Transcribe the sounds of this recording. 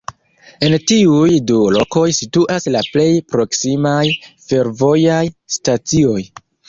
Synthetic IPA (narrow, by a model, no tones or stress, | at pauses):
e̞ntiujdulo̞ko̞jsituʔaslaple̞jpɾo̞ksimajfe̞ɾvo̞jajstat͡sio̞j